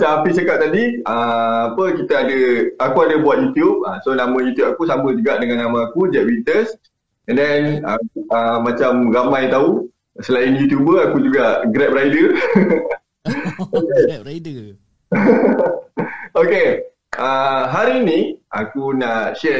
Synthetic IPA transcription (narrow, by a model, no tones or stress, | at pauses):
t͡ʃaampit͡ʃəkap̚t̪adiəapəkit̪aadəakuadəbuat̪̚jut̪jup̚asonamə̃jut̪jup̚akusamə̃d͡ʒuɡaʔdəŋãnːamãakud͡ʒɛʔ̚wint̪əs | ɛndɛnəəmãt͡ʃamramajt̪au | səlainjut̪jubəakud͡ʒuɡaʔɡɾɛp̚rajdə | oke | oke | əɦaɾiːniʔa̰kunaʔʃɛ